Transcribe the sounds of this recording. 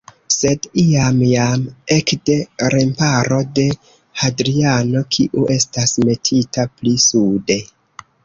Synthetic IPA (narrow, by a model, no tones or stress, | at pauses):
se̞diamjame̞kde̞ɾempaɾo̞de̞ | hadɾiano̞kʰiʔuʔe̞stasme̞tʰitaplisude̞